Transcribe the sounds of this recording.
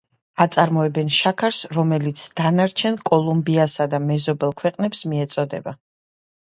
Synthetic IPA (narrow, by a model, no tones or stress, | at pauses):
at̪sʼaɾmɔɛbɛnʃakʰaɾsɾɔmɛlit̪sʰd̪̥anaɾt͡ʃʰɛnkʼɔlˠumbiasad̪amɛzɔbɛlˠkʰwɛqʼnɛpsmiɛt̪sʼɔd̪ɛba